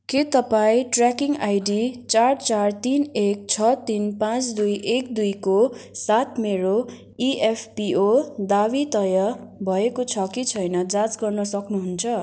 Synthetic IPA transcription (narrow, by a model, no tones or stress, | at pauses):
ket̪ʌpaĩʈrakiŋɡajɖit͡sart͡sart̪inek̚t͡sʰʌt̪inpãt͡sd̪ujʔekd̪ujkosat̪̚ʰmeɾo | iepʰpiod̪aβit̪ʌjʌbʱʌekot͡sʰʌkit͡sʰʌjnʌd͡zãt͡sɡʌrnʌsʌknuɦunt͡sʰʌ